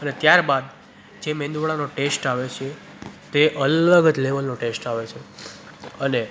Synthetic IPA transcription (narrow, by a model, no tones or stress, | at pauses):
ənet̪jaɾbad̪̚ | d͡ʒemẽnd̪uɭanoʈesʈaʋet͡ʃʰe | t̪eʔələɡəd͡ʒleʋəlnoʈesʈaʋet͡ʃʰe | əne